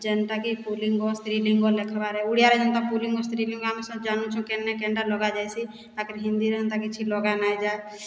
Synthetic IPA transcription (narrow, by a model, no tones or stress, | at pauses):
d͡ʒɛnt̪akipuliŋɡɔst̪ɾiliŋɡɔlekʰbaɾɛuɽijaɾɛd͡ʒɛnt̪apuliŋɡɔst̪ɾiliŋɡamisɔ̃d͡ʒanũt͡ʃʰũkɛnːɛkɛɳɖalɔɡad͡ʒajsi | t̪akəɾɦĩnd̪iɾɛənt̪akit͡ʃʰilɔɡanajd͡ʒae